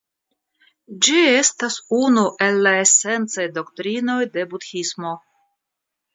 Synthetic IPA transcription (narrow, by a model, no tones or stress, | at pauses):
d͡ʒie̞stasunuʔe̞lːae̞se̞nt͡sajdo̞ktɾino̞jde̞butxismo̞